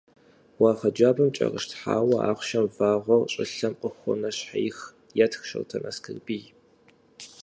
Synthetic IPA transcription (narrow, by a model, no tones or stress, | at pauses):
wɑːʁɐd͡ʒaːbɐmt͡ʃʼɐ̰ʁəʃtħa̰ːwɐʔa̰ːχʷʃɐmvaːʁʷɔrɕʼɪɬɐmqʼəxʷʊ̰nɐɕħḛjx | jatʰxʃɐ̰wtʰɐnʔɐskʰɨrbiːj